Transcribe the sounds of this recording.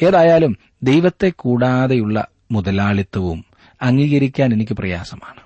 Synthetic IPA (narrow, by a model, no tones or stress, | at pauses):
e̞ːðaːjaːlum | d̪e̞jʋɐt̪ːe̞kːuːɽaːðe̞juɭːɐ̰ | muðɐlaːɭit̪ːɐʋṵm | ɐŋːiːɣɐɾikʲːaːne̞nikʲːɨprɐja̰ːsɐmaːɳɨ